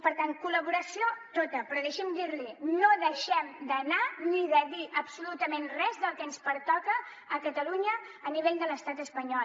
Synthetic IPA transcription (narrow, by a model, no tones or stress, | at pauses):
pəɾt̪aŋkuləβuɾəsiot̪ot̪əpɾɔðeʃɛmd̪iɾlinoðəʃɛmd̪ənaniðəðiʔəpsulut̪əmenrɛzðəlˠkɛnspəɾt̪ɔkəː | kət̪əluɲəː | niβeʎd̪ələst̪at̪əspəɲɔ